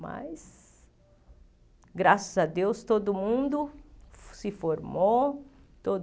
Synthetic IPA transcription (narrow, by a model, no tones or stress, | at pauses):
ma̰s | ɡɾasɐzɐd̪ewst̪od̪ʊmũnd̪ʊ | sɪfoɾmot̪od̪